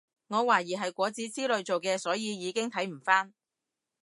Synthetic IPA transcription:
ŋɔː˨˧waː˨˩jiː˨˩ɦɐ˨jkʷɔː˨˥t͡siː˨˥t͡siː˥lɵ˨˧ɥt͡so˨wkɛː˧sɔː˨˥jiː˨˧jiː˨˧kɪ˥ŋt̪ʰɐ˨˥jm̩˨˩faː˥n

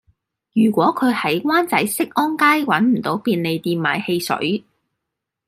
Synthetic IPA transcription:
jyː˨˩kʷɔː˨˥kʰɵ˨˧ɥhɐ˨˥jwaː˥nt͡sɐ˨˥jsɪ˥k̚ʔɔː˥nkaː˥jwɐ˨˥nm̩˨˩t̪o˨˥wpiː˧nle˨jt̪iː˨˧mma̰ː˨˩jhe˧jsɵ̰˨˥ɥ

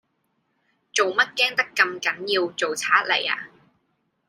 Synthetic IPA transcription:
t͡so˨wmɐ˥t̚kɛː˥ŋt̪ɐ˥kːɐ˧mkɐ˨˥njiː˧wt͡so˨wt͡sʰaː˨˥t̚le˨˩ja̰ː˧

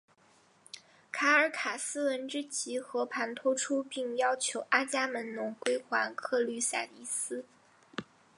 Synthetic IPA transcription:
kʰa˧˥ə˞˧˥kʰa˨˩sɹ̩˥wə˧˥nʈ͡ʂɻ̩˥t͡ɕʰi˧˥xɤ˧˥pʰa˧˥nt̪ʰɔ˥ʈ͡ʂʰu˥pi˥˩˧ŋjɑ˥ʊt͡ɕʰjo˧˥ʊʔa˥t͡ɕja˥mə˧˥nnʊ˧˥ŋkwe˥ɪkwa˧˥nkʰɤ˥˧ly˥˩sa̰˨˩t̪i˥˩sɹ̩˥

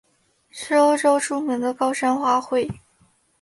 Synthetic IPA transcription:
ʈ͡ʂo˥ʊʈ͡ʂo˥ʊʈ͡ʂu˥mə˧˥ŋd̪ə˧kɑ˥ʊʂa˥nxwa˥xwe˥˩ɪ

